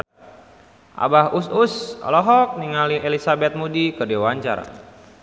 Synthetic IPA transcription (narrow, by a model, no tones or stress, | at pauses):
ʔa̰bahususɔ̰lɔɦɔk̚niŋalielisabɛt̪̚mudikɨrdiawaɲt͡ʃa̰ra̰